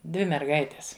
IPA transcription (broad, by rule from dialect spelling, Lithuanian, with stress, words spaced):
ˈdʲʋʲɪ mʲɛrˈɡɐɪtʲɛs